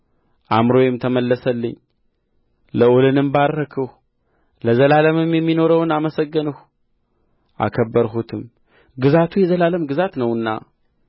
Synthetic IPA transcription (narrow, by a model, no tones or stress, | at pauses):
ʔamɾo̞jɪmt̪ʰəməlːəsəlːɨɲː | ləolɨnɨmbaɾːəkʰəh | ləzəlaləmɨmjɛmːino̞ɾəwnaməsəɡːənəh | ʔa̰kʰəbːəɾɦut̪ʰɨm | ɡɨzat̪ʰujɛzəlaləmɡɨzat̪nəwɨnːa̰